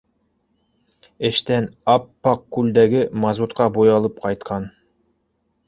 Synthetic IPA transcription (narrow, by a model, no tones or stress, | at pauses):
ɘ̆ʃt̪ænɑpːɑqkːʉld̪æɡɘmɑzut̪̚qɑbujɑlˠɤp̚qɑjt̪̚qʰɑn